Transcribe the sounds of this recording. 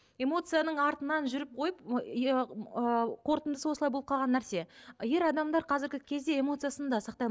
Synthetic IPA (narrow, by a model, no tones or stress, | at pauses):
e̞mo̞t̪sɨjanəɴɑɾt̪ənɑnʒʏɾɪp̚qʰo̞jəp | əqʰo̞ɾt̪ənd̪əsəwo̞səɑjbolˠəp̚qʰɑlˠʁɑnːæɾse̞je̞ɾɑd̪ɑmd̪ɑɾqʰɑzɪɾɡʲɪkʲʰe̞zd̪e̞e̞mo̞t̪sɨjasənd̪ɑsɑqt̪ɑ